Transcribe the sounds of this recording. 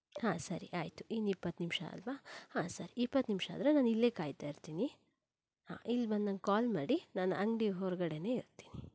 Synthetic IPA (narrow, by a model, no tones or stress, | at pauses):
haːsɐɾḭʔaːjt̪u̥inipːɐt̪ːnimʂɐ̰ɐ̰lʋahaːsɐɾiipːɐt̪nimʂa̰ːd̪ɾenaːnilːekaːjt̪aːjiɾt̪iːni | ha̰ːʔilːbɐnd̪ɐŋɡekaːlmaːɽinaːnuɐŋɡɖiɦɔɾɡɐɽe̞ne̞ːiɾt̪i̥ːni